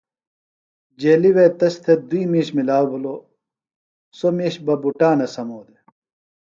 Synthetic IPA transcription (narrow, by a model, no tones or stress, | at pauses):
d͡ʑeːliweːt̪ɐst̪ʰed̪uiːmiːɕmilaːwbulo | somiːɕbɐbuʈaːnɐsɐmoːd̪e